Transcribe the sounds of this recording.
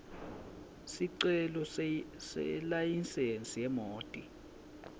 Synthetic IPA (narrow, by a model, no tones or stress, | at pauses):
siǀɛlɔ | sɛ̰lajinsent͡sʼijɛmoːtʼi